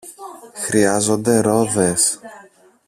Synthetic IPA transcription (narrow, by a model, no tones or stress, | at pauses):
xɾiɐzo̞nd̪e̞ɾo̞ðe̞s